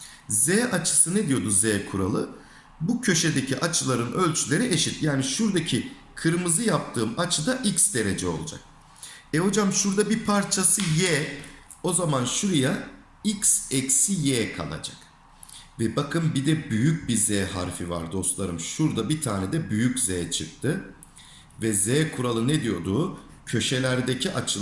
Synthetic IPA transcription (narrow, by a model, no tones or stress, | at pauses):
zɛːʔat͡ʃʰɯ̥sɯned̪ijo̞d̪uzɛːkʰuɾa̰lˠɯ | bucʰø̞ʃed̪ecʰiʔat͡ʃʰɯlˠaɾɯnø̞lʲt͡ʃʰylʲe̞ɾiʔeʃit̪jaːniʃuɾd̪acʰi | kʰɯɾmɯzɯjap̚t̪ʰɯːmat͡ʃʰɯd̪aʔicsd̪e̞ɾed͡ʒɛo̞lˠud͡ʒa̰k̚ | ɛɦo̞d͡ʒamʃuɾd̪abipʰaɾt͡ʃʰasɯjɛː | o̞zamanʃuɾuja | icsɛcsijɛːkʰa̰lˠa̰d͡ʒḁ̰k | vɛbakʰɯnbid̪ɛbyjyc̚bizɛːha̰ɾfiva̰ɾd̪o̞st̪lˠaɾɯmʃuɾd̪abit̪ʰaːnɛd̪ɛbyjyczɛːt͡ʃʰɯk̚t̪ʰːɯ | vɛzɛːkʰuɾalˠɯnɛd̪ijo̞d̪uː | cʰø̞ʃe̞lʲæɾd̪ecʰiʔat͡ʃʰɯ